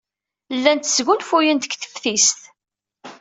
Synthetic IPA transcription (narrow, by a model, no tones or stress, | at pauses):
lːænt̪sɡʷunfujənt̪əkθə̥fθisθ